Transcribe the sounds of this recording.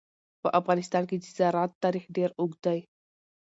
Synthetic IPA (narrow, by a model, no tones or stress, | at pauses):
pə̰ʔɐfɣaːnɪst̪aːnkid͡ʒizaːɾaːt̪ːaːɾiːxɖeːɾʊɡd̪aj